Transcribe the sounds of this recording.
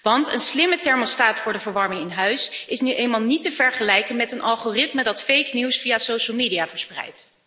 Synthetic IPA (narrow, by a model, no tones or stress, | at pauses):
ʋɑntə̰nslɪmətɛɹmɔlstaːtfʊːɹdəvəɹʋɑɹmɪŋɪnɦœɥsʔɪsnyʔejnmaːlˠnitəv̥ɛɹχəlɛjkənmɛtənʔɑlˠχoːrɪtmədɑtfejkniwsfijaːsowʃəlˠmeːdijaːvəɹsprɛ̰jt